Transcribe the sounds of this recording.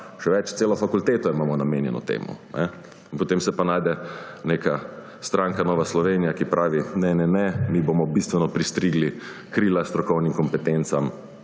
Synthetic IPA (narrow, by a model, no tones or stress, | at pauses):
ʃɛʋɛt͡ʃt̪seːlɔfakult̪eːt̪ɔimaːmɔnameːnjɛ̰nɔ̰t̪ḛːmṵnɛ | inpɔt̪emsɛpanaːjd̪ɛneka | st̪ɾaŋkanɔːʋaslɔʋenijakipɾʔaːʋinɛnɛnɛmibomɔbist̪ʋɛnɔpɾist̪ɾiɡli | kɾiːlast̪ɾɔkɔwnimkɔmpɛt̪ent̪sam